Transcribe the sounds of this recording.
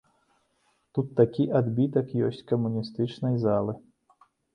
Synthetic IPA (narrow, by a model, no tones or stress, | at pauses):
t̪ut̪ːakʲiʔad̪bʲit̪ɐkjɔsʲt͡sʲkɐmunʲist̪ɨt͡ʂnɐjzalˠɨ